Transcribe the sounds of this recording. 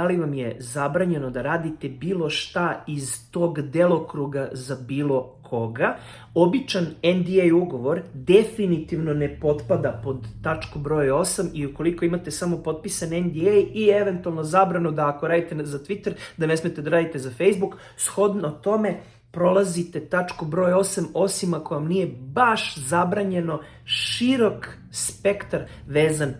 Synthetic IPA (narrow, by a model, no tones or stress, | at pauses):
aliʋamje̞zabɾaɲe̞nod̪aɾaːd̪it̪e̞biːlˠo̞ʃt̪aizt̪o̞ɡd̪e̞lˠokɾuɡazabiːlˠo̞kʰo̞ɡa | o̞bit͡ʃanend̪iejuɡo̞ʋo̞ɾd̪e̞finit̪iʋno̞ne̞po̞t̪pad̪apo̞d̪ːat͡ʃkobɾo̞ːjo̞samiuko̞liko̞imat̪e̞samo̞po̞t̪̚pisanend̪iejieʋe̞nt̪ualˠno̞zabɾanud̪aːkoɾaːd̪it̪ezat̪ʋit̪eɾd̪ane̞smet̪ed̪aɾaːd̪it̪ezafejzbuk | sxo̞d̪not̪o̞me̞ | pɾo̞lˠazit̪e̞t̪at͡ʂkobɾo̞jo̞samo̞simakojamnije̞baʃzabɾaɲe̞no̞ | ʃiɾo̞k | spe̞kt̪aɾ | ʋeːzan